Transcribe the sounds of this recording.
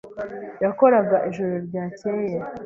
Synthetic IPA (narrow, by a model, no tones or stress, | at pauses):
jako̞ɾaɡaʔiʒuɾoɾɟaːceje